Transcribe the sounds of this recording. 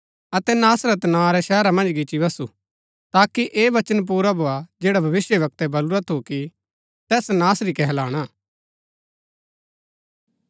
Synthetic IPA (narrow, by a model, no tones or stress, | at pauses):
ɐt̪ɛnaːsɾɛt̪ɐnãːɾɛʃɛːɾamɐ̃nd͡ʒɡɪt͡ʃibɐsṵ | t̪aːkiʔeːʋɐt͡ʃənp̬uːɾabʱoad͡ʒeːɽabʱɐʋɪsjəʋɐk̚t̪ɛbɐluɾat̪ʰoki | t̪ɛːsnaːsɾikɛɦɛlaːɽ̃aː